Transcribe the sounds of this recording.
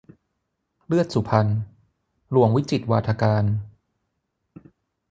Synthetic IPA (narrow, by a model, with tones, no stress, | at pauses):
lɯ˥˩ət̪̚su˨˩pʰa˧n | lu˧˩əŋwi˦˥t͡ɕi˨˩t̪̚waː˧t̪ʰaː˧kaː˧n